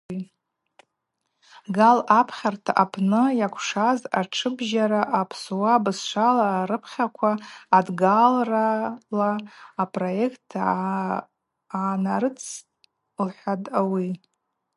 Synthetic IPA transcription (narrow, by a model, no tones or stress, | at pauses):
ɡalapʰχʲartʰa̰ʔapʰnɨjakʷʰʂazaʈ͡ʂʰɨbʒaɾaʔapʰsuwabɨsʂʷalaːɾɨpʰχʲakʷʰaːdɡalralaːpʼro̞je̞kʰtʰːa | aːnaɾɨt͡sʰ | lħʷᶣadʼawi